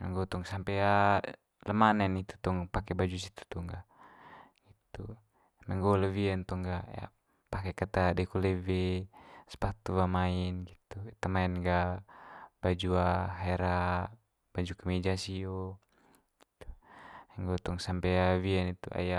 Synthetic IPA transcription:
mɛ̰ŋɡɔt̪ɔŋsampɛa | ləmanɛnit̪u̥t̪ɔŋpakɛbad͡ʒus̬it̪u̥t̪ɔŋɡa | ɡ̥it̪u | mɛŋɡɔləviɛnt̪ɔŋɡaja̰ | pakɛkat̪adɛkulɛvɛspat̪uamainɡit̪ut̪amaɛnɡa | b̥ad͡ʒuaɦɛɾa | b̥ad͡ʒukamɛd͡ʒasiɔ | ɡ̥i̥t̪u̥ɛŋɡɔt̪ɔŋsampɛaviɛnit̪uʔa̰ja

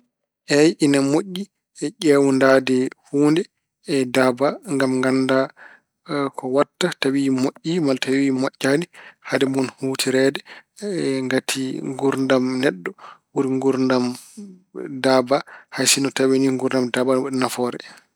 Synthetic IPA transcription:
ʔɛjʔinamoʔʲːi | ɛʔɛwundadɛhuːndɛ | ɛdabaŋɡamŋɡanda | kʰɔwatːatawimoʔːimaltawimɔʔːanihadɛmunhuːtʰiɾɛdɛ | ŋɡatʰiŋɡuɾndamnɛɗːɔwuɾiŋɡuɾndam | dabahajsinɔtaweniŋɡuɾndamdabaɔɗɛnafɔːɾɛ

